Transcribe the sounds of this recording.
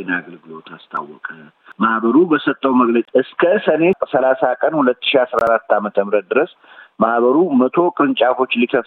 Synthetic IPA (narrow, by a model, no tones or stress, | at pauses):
naɡəlɡɨlo̞t̪ʰast̪ʰa̰wːɔkʼə | mahbəɾubəsət̪ʼːəwməɡlət͡ʃʼɨskʰəsəne̞səlasakʼənhulət̪ːɨ̥ʃiasɾaɾat̪ːamət̪ʰəmɨɾət̪̚d̪ɨɾəs | mahβəɾumət̪ʰo̞kʼɨɾɨnt͡ʃʼakʰo̞t͡ʃːlikʰəf